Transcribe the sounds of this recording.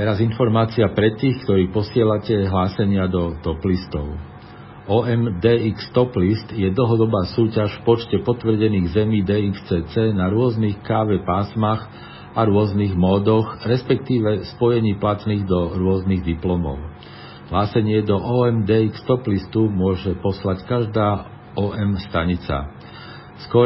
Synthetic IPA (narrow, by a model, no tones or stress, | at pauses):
t̪ɛɾazinfɔɾmaːt͡siapɾɛt̪ːiːxkt̪ɔɾiːpɔsɪɛlacɛɦlaːsɛɲɪad̪ɔt̪ɔplist̪ɔʊ | ɔːɛmd̪ɛːikst̪ɔplist̪jɛd̪l̩ɦɔd̪ɔbaːsuːcaʃfpɔt͡ʃcɛpɔt̪ʋr̩ɟɛniːɣzɛmiːd̪ɛːikst͡sɛːt͡sɛnaɾʊɔzniːxkaːʋɛpaːsmax | aɾʊɔzniɣmɔːd̪ɔɣɾɛspɛk̚t̪iːʋɛspɔjɛɲiːplat̪niːɣd̪ɔɾʊɔzniɣd̪iplɔmɔ̰ʊ | ɦlaːsɛɲɪɛd̪ɔʔɔːɛmd̪ɛːikst̪ɔplist̪umʊɔʒɛpɔslackaʒd̪aː | ɔːʔɛmst̪aɲit͡sa̰ | skɔ